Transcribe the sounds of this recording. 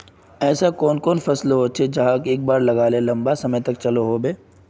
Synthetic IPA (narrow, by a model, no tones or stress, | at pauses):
ɛːsakɔːnkɔːnfɐslɦoːt͡ʃʰed͡ʒɐɦãkeːk̚baːɾlɐɡaːlẽlɐ̃mbasɐməjt̪ɐkt͡ʃɐloɦobeː